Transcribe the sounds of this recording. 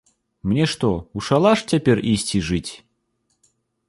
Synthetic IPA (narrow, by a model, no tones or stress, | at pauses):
mnʲɛʂt̪ɔuʂalˠaʂt͡sʲapʲɛrʔisʲt͡sʲiʐɨt͡sʲ